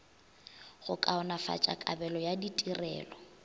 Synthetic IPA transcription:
ɣʊkʼaʊnafa̰t͡ʃʼa̰kʼa̰bɛlɔjaditʼirɛ̰ːlɔ

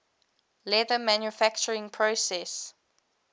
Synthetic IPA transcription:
lɛðəmãnjufakt͡ʃəɹɪ̃ŋpʰɹosɛs

